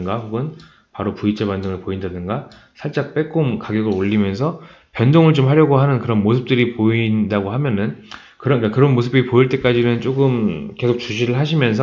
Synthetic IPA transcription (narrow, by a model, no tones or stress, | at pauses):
ŋɡahuɡɯn | paɾopuit͡ɕʰebandoŋɯɭpoindadɯnɡa | sʰaɭt͡ɕ͈ak̚p͈e̞k͈omkaɡjʌɡɯɾoʎːimjʌnsʰʌ | pjʌndoŋɯɭt͡ɕomhaɾjʌɡoɦanɯnkɯɾʌnmosʰɯp̚t͈ɯɾipoindaɡoɦamjʌnɯn | kɯɾʌɲik͈akɯɾʌnmosʰɯbipoiɭt͈e̞k͈ad͡ʑinɯnt͡ɕ͈oɡɯmke̞sʰok̚t͡ɕuɕ̬ʰiɾɯɭɦaɕ̬ʰimjʌnsʰʌ